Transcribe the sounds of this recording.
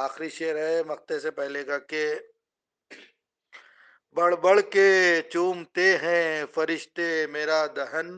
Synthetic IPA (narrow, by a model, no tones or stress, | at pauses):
aːxɾiʃeːəɾɦɛmɐxt̪esepɛɦlekake | bɐɽ̤bəɭket͡ʃuːmt̪eɦɛ̃fɐɾɪʃt̪emeːɾad̪ɐɦən